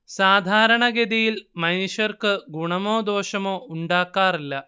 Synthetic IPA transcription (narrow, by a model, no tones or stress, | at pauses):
saːd̪ʱaːɾɐɳɐɡed̪ijilmɐjnuʂɐrkɨɡuɳɐmo̞ːd̪o̞ːʂɐmoːuɳɖaːkːaːrilːɐ